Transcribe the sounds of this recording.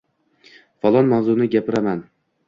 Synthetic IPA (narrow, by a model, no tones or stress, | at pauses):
fɒlˠɒnmawzʊnɪɡʲapɪɾaman